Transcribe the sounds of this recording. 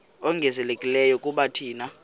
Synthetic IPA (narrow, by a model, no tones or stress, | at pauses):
ɔŋɡʱɛzɛlekʼilɛjɔkʼuɓatʰiːna